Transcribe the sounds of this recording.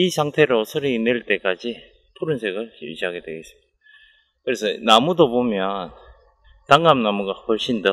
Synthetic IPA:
isʰaŋtʰe̞ɾosʰʌɾiineɭt͈e̞k͈ad͡ʑi | pʰuɾɯnsʰe̞ɡɯɭkḛɭd͡ʑiɦaɡe̞dwe̞̰ɡe̞s͈ɯ̥mid̥a | kɯɾe̞sʰʌnamudobomjʌn | taŋɡamnamuɡakʌɭɕ͈ʰindʌ

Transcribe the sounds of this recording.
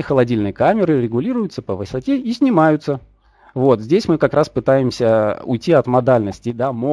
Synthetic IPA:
xəlˠɐdʲilʲnɨjəkamʲɪɾɨɾʲɪɡʊlʲiɾʊjʊt̪səpəvɨsɐtʲeisʲnʲɪmajʊt̪sə | vo̞t̪zʲdʲesʲmɨkɐkɾaspɨt̪ajɪmsʲəʊ̰jtʲːiɐt̪mɐd̪alʲnəsʲtʲɪd̪amo

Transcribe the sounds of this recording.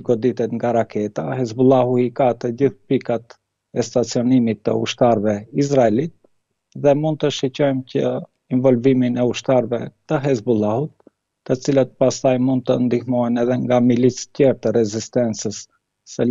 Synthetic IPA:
ɡɔd̪it̪ɛt̪ŋɡaɾakʰɛt̪ahɛzbulˠahuikat̪əɟiθpikat̪ | ɛst̪at͡siɔnimit̪ːə̰ṵʃt̪aɾvɛizɾaɛlit̪̚ | ðɛmund̪̚t̪əʃicɔjmcə | invɔlviminɛuʃt̪aɾvɛt̪əɦɛzbulˠahut̪̚ː | ət͡silət̪̚past̪ajmund̪̚t̪ənd̪ihmɔjnɛðɛŋɡamilit͡scɛɾt̪əɾɛzist̪ɛnt͡səsː | ə

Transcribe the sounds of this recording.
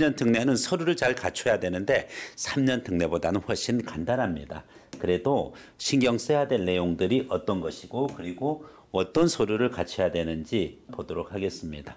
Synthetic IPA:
ɲʌntʰɯŋne̞nɯnsʰʌɾuɾɯɭt͡ɕaɭkat͡ɕʰʌjadwe̞nɯnde̞sʰamɲʌntʰɯŋne̞bodanɯnɸwʌɭɕ͈inkandanɦamɲida̰ | kɯɾe̞do | ɕʰiŋɡjʌŋs͈ejadwe̞nːe̞joŋdɯɾiʔʌt͈ʌnɡʌɕʰiɡokɯɾiɡo | ʌt͈ʌnsʰʌɾuɾɯɭkat͡ɕʰʌjadwe̞nɯnd͡ʑipodoɾok̚haɡe̞s͈ɯmɲida

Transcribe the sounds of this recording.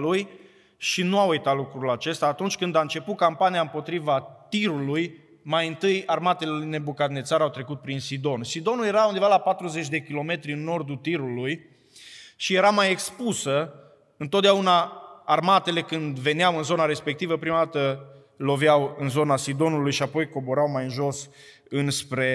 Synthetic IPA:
luj | ʃinuaujt̪at̪lukɾulat͡ʃe̞st̪aːt̪unt͡ʃʲkɨnd̪ant͡ʃe̞pukampaniaɨmpo̞t̪ɾivat̪iɾuluj | majɨnt̪ɨjarmat̪e̞lene̞bukat̪net̪saɾawt̪ɾe̞kut̪̚pɾinsid̪o̞nsid̪o̞nulje̞ɾaund̪evalapat̪ɾuze̞t͡ʃʲd̪e̞kʲilo̞me̞t̪ɾʲiɨnːo̞rd̪ut̪iɾuluj | ʃije̞ɾamaje̞kspusə | ɨnt̪ot̪̚d̪eaunaarmat̪e̞le̞kɨnd̪ve̞niawɨnzo̞naɾe̞spe̞k̚t̪ivəpɾimad̪at̪ə | lo̞vjawɨnzo̞nasid̪o̞nulujʃiapo̞jko̞bo̞ɾawmajɨnʒo̞s | ɨnspɾe̞

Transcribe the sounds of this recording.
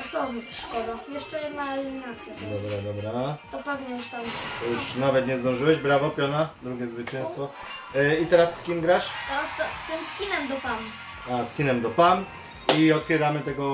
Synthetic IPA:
t̪sɔvʲipʂkɔd̪ajɛʂt͡ʂɛjɛnaɛlʲimʲinat̪sʲjɛd̪ɔbɾad̪ɔbɾat̪ɔpɛvɲɛjuʂt̪amɛjuʂnavɛt̪ɲɛzd̪ɔ̃w̃ʐɨwɛʑbɾavɔpʲjɔnad̪ɾuɡʲɛzvɘt͡ɕɛ̃w̃st̪fɔ | it̪ɛɾasːkʲimɡɾaʂɔɔst̪at̪ɨmskʲinɛmd̪ɔpam | askʲinɛmd̪ɔpan | iɔt̪fʲjɛɾamɘt̪ɛɡɔ

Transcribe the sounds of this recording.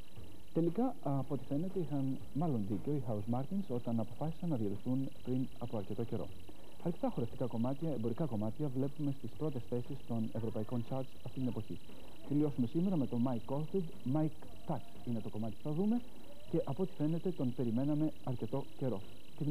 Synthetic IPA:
t̪e̞likɐ | po̞t̪i̥fe̞ne̞t̪e̞ixɐn | mɐlo̞nðice̞oixɐuzmɐɾt̪inso̞t̪ɐnɐpo̞fɐsi̥sɐnːɐðioliθun | pɾin | ɐpo̞ɐɾce̞t̪o̞ce̞ɾo̞̰ | ɐɾce̞t̪ɐxo̞ɾeft̪i̥kɐko̞mɐt̪çɐebo̞ɾikɐko̞mɐt̪çɐvle̞pume̞st̪ispɾo̞t̪e̞sθe̞sist̪o̞nevɾo̞pɐiko̞nt͡ʃɐɾt͡sɐft̪int̪ine̞po̞çḭ | t̪elio̞sume̞sime̞ɾɐme̞t̪o̞mɐjkːolfid̪ | mɐjk | t̪ɐksine̞t̪o̞ko̞mɐt̪ipu̥θɐðume̞ | ce̞ʔɐpo̞t̪i̥fe̞ne̞t̪e̞t̪o̞npe̞ɾime̞nɐme̞ | ɐɾce̞t̪o̞ce̞ɾo̞ | t̪in

